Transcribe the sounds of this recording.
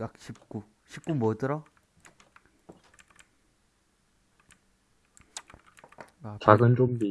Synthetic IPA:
ak̚ɕʰip̚k͈u | ɕʰip̚k͈umwʌdɯɾʌ | at͡ɕaɡɯnt͡ɕomːi

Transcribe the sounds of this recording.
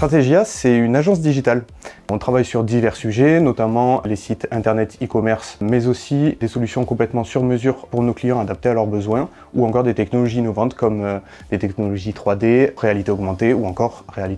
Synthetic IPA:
t̪χat̪eʒjasɛynaʒɑ̃s̬d̪iʒit̪al | ɔ̃t̪χavajsyʁd̪ivɛʁsyʒenɔt̪amɑ̃lesit̪ɛ̃t̪ɛʁnɛt̪ikɔmɛʁsmɛzosid̪esɔlysjɔ̃kɔ̃plɛt̪mɑ̃syʁməzyʁpuʁnoklijɑ̃ad̪ap̚t̪ealœʁbəzwɛ̃ | uɑ̃kɔʁd̪et̪ɛknɔlɔʒiːnɔvɑ̃t̪kɔm | d̪et̪ɛknɔlɔʒit̪χwad̪eʁealit̪eɔɡmɑ̃t̪euɑ̃kɔʁːealit̪e

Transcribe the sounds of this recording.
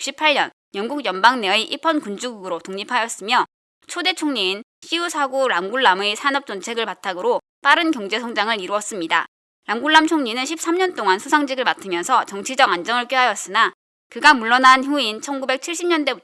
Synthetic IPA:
ɕʰipʰaɭːʌ̰n | jʌŋɡuɡjʌmbaŋneiʔipʰʌnkund͡ʑuɡuɡɯɾotoŋɲipʰajʌs͈ɯmjʌ | t͡ɕʰode̞t͡ɕʰoŋɲinɕ͈ʰiusʰaɡuɾamɡuɭːamesʰanʌp̚t͡ɕ͈ʌnt͡ɕʰe̞ɡɯɭpatʰaɡɯɾo | p͈aɾɯnkjʌŋd͡ʑe̞sʰʌŋd͡ʑaŋɯɾiɾuʌs͈ɯmɲida̰ | ɾamɡuɭːamt͡ɕʰoŋɲinɯnɕʰip̚s͈ʰamɲʌnt͈oŋansʰusʰaŋd͡ʑiɡɯɭmatʰɯmjʌnsʰʌt͡ɕʌŋt͡ɕʰid͡ʑʌɡand͡ʑʌŋɯɭk͈eɦajʌs͈ɯna | kɯɡamuɭːʌnançuint͡ɕʰʌnɡube̞k̚t͡ɕʰiɭɕ͈ʰimɲʌnde

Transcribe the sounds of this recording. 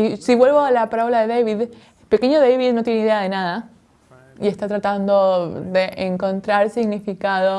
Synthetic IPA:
isiβwe̞lβoalapaɾaβolaðeðejβið | pe̞ke̞ɲoðejβiðnot̪je̞neiðeaðe̞naða | ie̞st̪at̪ɾat̪and̪o̞ðeʔeŋko̞nt̪ɾaɾsiɣnifikaðo

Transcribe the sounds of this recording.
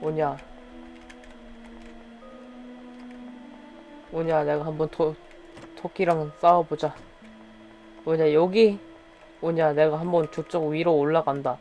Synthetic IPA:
oɲa | oɲane̞ɡahambʌntʰo | tʰokʰiɾaŋs͈awʌbod͡ʑa | oɲajʌɡi | oɲane̞ɡahambʌnt͡ɕot͡ɕ͈ʌɡɥiɾooɭːaɡanda

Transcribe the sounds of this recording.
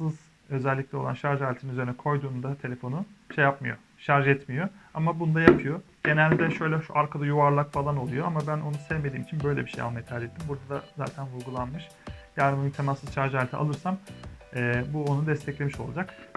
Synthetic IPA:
sɯz | ø̞zɛlʲːic̚lʲɛo̞lˠa̰nʃaɾʒalʲet̪ʰinyzeɾinɛkʰo̞jd̪uːnd̪at̪ʰe̞lʲe̞fo̞nuʃejapmɯjo̞̰ | ʃaɾʒɛt̪mijo̞a̰mabunud̪ajapʰɯjo̞ | ɟ̥e̞nælʲd̪ɛʃø̞jlʲɛʃuʔaɾkʰad̪ajuvaɾlˠakfalˠano̞lˠujo̞amabæno̞nusɛvme̞d̪iːmit͡ʃʰinbø̞jlʲɛbiʃeja̰majat͡ʃ̪ʰaːd͡ʒet̪ʰːimbuɾd̪ad̪aza̰ːt̪ʰænvuɾɡulˠanmɯʃ | jaɾɯmɯit̪ʰemasɯzʃaɾʒalʲet̪ʰia̰lˠɯɾsamɛːbuonud̪ɛst̪ʰɛclʲe̞miʃo̞lˠad͡ʒak

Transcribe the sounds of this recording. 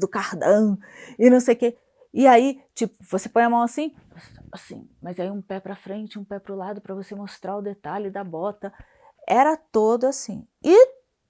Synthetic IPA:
d̪ʊkaɾd̪ɐ̃w̃ | ɪnɐ̃w̃sejʊke | ɪait͡ʃipʊvosepõj̃ɐmɐ̃w̃asĩ | sasḭ̃mɐzaiũpɛpɾɐfɾẽnt͡ʃɪũpɛpɾʊlad̪ʊpɾɐvosemost̪ɾaʊd̪et̪alɪd̪ɐbɔt̪ɐ | ɛɾɐt̪od̪ʊasĩ | ɪ

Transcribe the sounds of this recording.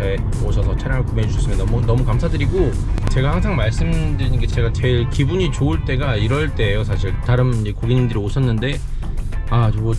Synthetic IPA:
ae | oɕʰʌsʰʌt͡ɕʰaɾjaŋaɭkumed͡ʑuɕʰʌs͈ɯmjnʌmunʌmukamsʰadɯɾiɡo | t͡ɕe̞ɡahaŋs̬ʰaŋmaɭs͈ɯmdɯɾiɲiɡet͡ɕe̞ɡat͡ɕe̞ɭkibuɲit͡ɕoɯɭt͈e̞ɡaiɾʌɭt͈e̞ːjosʰaɕʰiɭtaɾɯmd͡ʑe̞koɡiɲimdɯɾioɕʰʌnːɯnde̞ | at͡ɕo

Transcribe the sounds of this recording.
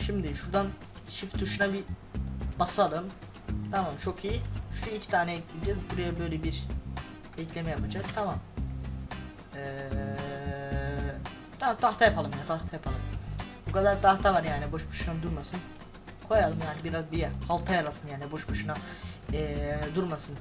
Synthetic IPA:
ʃimd̪iʃuɾd̪an | ʃift̪d̪uʃunabi | b̥asalˠɯm | t̪ʰamamt͡ʃʰo̞kʰijiuʃlɛilʲct̪ʰaːnɛɛɟit̪ʰilʲd͡ʒɛzbuɾajabø̞jlʲɛbiɾ | ɛclʲe̞mɛjapad͡ʒaz̥t̪ʰamam | ɛ | t̪ʰat̪ʰaxt̪ʰajapʰalˠɯmjaːnit̪ʰaxt̪ʰajapʰalˠɯmbukad̪aɾt̪ʰat̪ʰamaɾjaːnibo̞ʃbu̥ʃunamd̪uɾmasɯn | kʰo̞jalˠɯmjaːnibiɾazbijɛhalˠt̪ʰajaɾasɯnjaːnibo̞ʃbuʃunaɛːd̪uɾmasɯn

